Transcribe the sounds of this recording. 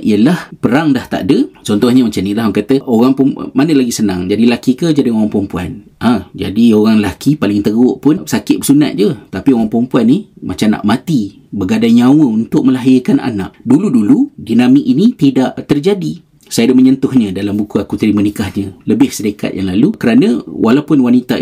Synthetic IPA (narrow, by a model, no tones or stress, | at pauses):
ʔḭjəlahpəɾaŋdaht̪a̰ʔdət͡ʃɔnt̪ɔhɲəmat͡ʃamnilaɦakat̪əʔoɣaŋpʊn̰manəlaɡisənã̰ŋd͡ʒadilakikəd͡ʒadioɣaŋpɔmpua̰n | ad͡ʒa̰dioɣaŋlakipalɪŋt̪əɡʊʔpʊnsakɪt̪̚bəsuna̰t̪̚d͡ʒət̪apioɣaŋpɔmpuanːimat͡ʃana̰ʔmat̪i | bəɡadaɲawəunt̪ʊk̚məlaɦɪkanʔa̰na̰ʔduluduludinamɪkinit̪idaʔt̪ərd͡ʒadi | sajadəməɲənt̪ʊhɲə̃dalambukuakut̪əɾimənikahɲə̃ləbɪhsədəka̰t̪̚jaŋlalukəɾanə̃wʔalawpʊnwanit̪a